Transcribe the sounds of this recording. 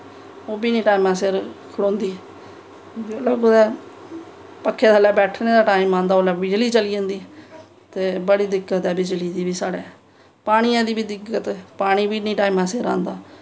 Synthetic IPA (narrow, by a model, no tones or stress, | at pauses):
oːbiːnĩːʈaːiːmãːsɪɾkʰəɽõːnd̪iː | oləːɡod̪ɛː | pəkʰːeːt̪ʰaːlɛːbɛːʈʰneːd̪aːʈaːimãːnd̪aːoːlɛːbɪd͡ʒliːt͡ʃəliːõːnd̪iː | t̪eːbəɽiːd̪ɪkːət̪ɛːbɪd͡ʒliːd̪iːbiːsaːɽḛː | paːɽ̃iːãːd̪iːbiːd̪ɪɡət̪paːɽ̃iːbiːnĩːʈaːimãːsɪɾã̰ːnd̪aː